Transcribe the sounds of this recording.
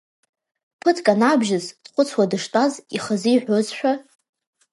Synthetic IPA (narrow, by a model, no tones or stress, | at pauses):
pʰɨtʰkʼanabʒɪzdqʷʼʊt͡sʰwadɨʂtʼaziχazɨiħʷᶣozʃʷᶣa